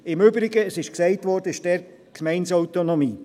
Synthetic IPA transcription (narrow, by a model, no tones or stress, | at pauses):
ɪmʏbɾɪɡəəsɪʃksɛɪtvɔɾd̥əɪʃdɛɾ | kʰmɛɪnsɔʊtonɔmiː